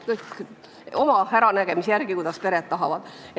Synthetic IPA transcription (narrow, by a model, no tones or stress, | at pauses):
kɤjk | o̞mɑhæɾɑnæɡ̥e̞misjæɾɡ̥ikujd̪̥ɑspe̞ɾet̪ːɑɦɑvɑd̪̥